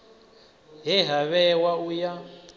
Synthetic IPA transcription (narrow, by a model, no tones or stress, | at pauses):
ɦɛɦaβɛwauja